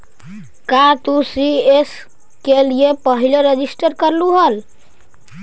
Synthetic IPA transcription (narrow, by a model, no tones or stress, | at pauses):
kat̪usies | kelijepəɦileɾed͡ʒisʈəɾkəɾluɦəl